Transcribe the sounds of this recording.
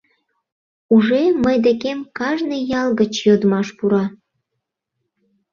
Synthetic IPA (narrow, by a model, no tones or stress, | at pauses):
uʒeməjd̪ekemkɑʒnəjɑlɣət͡ɕjod̪mɑʃpuɾɑ